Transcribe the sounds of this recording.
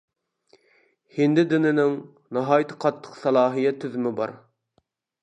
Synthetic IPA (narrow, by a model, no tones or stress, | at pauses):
hɪnd̪ɪd̪ɪnɪnɪŋ | nɑɦɑːjt̪ʰɨ̥qʰɑt̪ʰːə̥qsɑlˠɑːɦijɛt̪ʰːyzymɪbɑ̰ɾ